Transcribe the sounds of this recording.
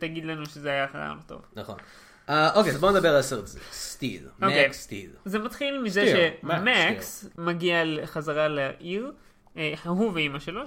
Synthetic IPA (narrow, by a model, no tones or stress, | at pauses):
t̪aɡid̪lanuʃezeajaχaja̰mlot̪o̞̰vnɐχo̰n | aʔokezboned̪abeʁalseʁbzḛst̪ḭlmokejst̪ḭlzemat̪χilmizeʃemaksmaɡialχazaʁalaʔiʁ | eħaɦuveimaʃelo